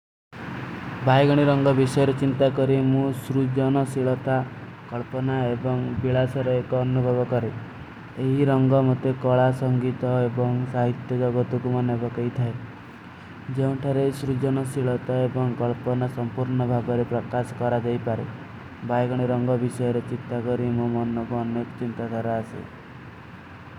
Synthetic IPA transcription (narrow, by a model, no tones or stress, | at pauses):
bajɡɔɽ̃iɾɔŋɡɔbisɔjɔɾet͡ʃint̪akɔɾimũsɾud͡ʒɔnɔsiɭɔt̪a | kɔɭpɔnaebɔŋbiɭasɔɾeekɔːnubʱɔbɔkɔɾe | eɦiɾɔŋɡɔmɔt̪ekɔɭasɔŋɡit̪ɔebɔŋsaɦit̪jɔd͡ʒɔɡɔt̪ukumanebʱɔkejt̪ʰae | d͡ʒeũʈʰaɾesɾud͡ʒɔnɔsiɭɔt̪aebɔŋkɔɭpɔnasɔmpuɾɳɔbʱabɔɾepɾɔkasɔ̥kɔɾad͡ʒajpaɾe | bajɡɔɽ̃iɾɔŋɡɔbisɔjɔɾet͡ʃit̪ːakɔɾimumɔnɔkuɔnekɔt͡ʃint̪ad̪ʱaɾaːsḛ